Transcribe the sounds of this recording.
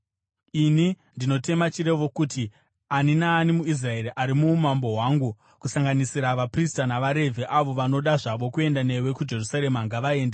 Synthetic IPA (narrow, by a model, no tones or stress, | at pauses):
ini | ndino̞te̞mat͡ʃiɾe̞ʋo̞kuti | aninaːnimuis̬rae̞ɾiʔaɾimuːmambo̞ɦwaːŋɡu | kusaŋɡanisiɾaʋapristanaʋaɾe̞vʱeʔaʋo̞ʋano̞ɗaʐaʋo̞kue̞ndane̞we̞kud͡ʒe̞rusaɾe̞maŋɡaʋae̞ːnde